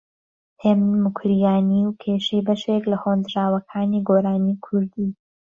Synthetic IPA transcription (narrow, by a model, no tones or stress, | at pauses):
hemnmʊkʰɾijaːniwkʰeːʃejbɐʃeklɐhond̪ɾaːwɐkʰaːniːɡoːɾaːnikʰʊɾd̪iː